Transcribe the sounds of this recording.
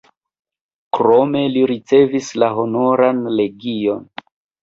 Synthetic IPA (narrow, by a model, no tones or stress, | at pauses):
kɾo̞me̞liɾit͡se̞vislaɦo̞no̞ɾanle̞ɡio̞n